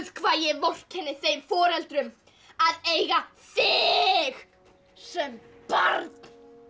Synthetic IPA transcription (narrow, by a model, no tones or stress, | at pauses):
kʰvaːðjɛvowr̥chɛnːɪθejmfɔːɾɛlt̪ɾʏm | aðeːjɣa | θɪɣ | sɛmpaɾt̪̚n̥